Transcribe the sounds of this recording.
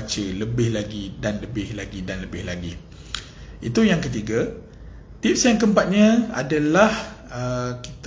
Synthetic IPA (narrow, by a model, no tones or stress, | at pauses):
t͡ʃələbɪhlaɡidanləbɪhlaɡidanləbɪhlaɡi | it̪ujaŋkət̪̬iɡa | t̪ip̚sjaŋkəmpat̪̚ɲaa̰dalahəki̥t̪